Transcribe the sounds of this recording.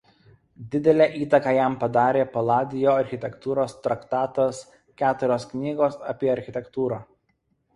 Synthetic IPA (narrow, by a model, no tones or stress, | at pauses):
d̪ʲɪd̪ʲɛlʲɛʔiːt̪ɐkɑːjæˑmpɐd̪ɑːɾʲeːpɐlˠɑːd̪ʲɪjoːɐɾʲxʲɪt̪ʲɛkt̪uːɾoːst̪ɾɐkt̪ɑːt̪ɐs | kʲæːt̪ʊɾʲoːsknʲiːɡoːsɐpʲiɛɐɾʲxʲɪt̪ʲɛkt̪uːɾɑː